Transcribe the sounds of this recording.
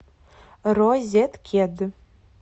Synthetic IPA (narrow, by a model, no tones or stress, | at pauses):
rozʲet̪kʲʰed̪ɨ